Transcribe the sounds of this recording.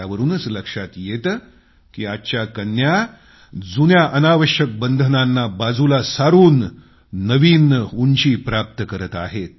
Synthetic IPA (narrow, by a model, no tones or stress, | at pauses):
aʋəɾuːnət͡sləkʂat̪jet̪ | kiːatːɕakənja | d͡zunjaʔənaʋəɕjək̚bənd̪ʱənanːabad͡zulasaɾuːnː | əʋiːnunt͡ɕiːpɾap̚t̪əkəɾət̪aɦet̪̚